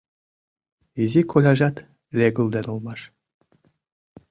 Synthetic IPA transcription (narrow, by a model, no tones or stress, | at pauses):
izʲikʰolʲɑʒɑt̪ | lʲeɡŭlˠd̪enulˠmɑʂ